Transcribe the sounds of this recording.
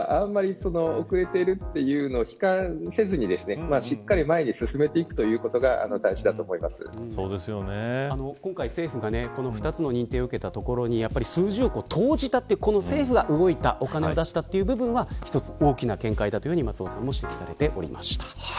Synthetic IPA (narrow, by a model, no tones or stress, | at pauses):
ʔãmːaɾʲiso̞no̞okɯ̟ɾe̞t̪e̞ɾɯ̟t̪ːe̞jɯ̟ːnoːçi̥kãse̞zɨɲ̟id̪e̞sɨne̞maɕikːaɾʲimae̞ɲ̟isɨsɨme̞t̪eikɯ̟̥t̪o̞jɯ̟ːko̞t̪o̞ɡaa̰no̞d̪aĩɕid̪at̪o̞ːmo̞imasɨ̰̃so̞ːd̪e̞sɨjo̞neano̞kõŋkaise̞ːɸɯ̟ɡane̞ko̞no̞ɸɯ̟̥t̪at͡sɨno̞ɲ̟ĩnt̪eːoɯ̟ke̞t̪at̪o̞ko̞ɾo̞ɲ̟ijapːaɾʲisɨːʑio̞ko̞t̪ʰo̞ːʑit̪at̪ːeko̞no̞se̞ːɸɯ̟ɡaʔɯ̟ɡo̞it̪a̰ʔo̞kane̞o̞d̪aɕi̥t̪at̪ːe̞iɯ̟ːbɯ̟bɯ̟̃ɰ̃βaçi̥t̪o̞t͡sɨ̥o̞ːkʲinakẽ̞ŋkaid̪at̪o̞jo̟ɲ̟imat͡sɨoːsã̰mːo̞ɕi̥t̪e̞kʲi̥saɾe̞t̪e̞ʔo̞̰ɾʲḭmʔa̰ɕi̥t̪ḁ